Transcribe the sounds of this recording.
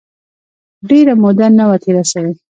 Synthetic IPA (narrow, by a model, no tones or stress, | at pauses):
ɖeɾamod̪anawat̪ʰiɾasawe